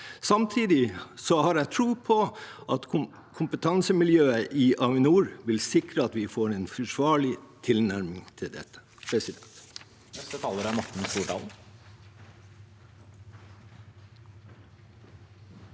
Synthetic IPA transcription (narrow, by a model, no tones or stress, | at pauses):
sɑmt̪ʰiːd̪ɪsɔhɑːɾæɪt̪ʰɾuːpʰɔʔɑt̪ʰ | kʰʊmpət̪ʰɑnsəmɪljøːəʔɪʔɑʋɪnuːɾʋɪlsɪkɾəɑt̪ʋɪfoːɾeːnfɔʂʋɑːɭɪt̪ʰɪlnæɾmɪŋt̪ʰɪld̪ɛ̰t̪ːə̥ | pʰɾɛsɪd̪ɛnt̪ | nɛst̪ət̪ʰɑːləɾæɾmɑʈːɪn̩st̪uːɖɑ̰ːln̩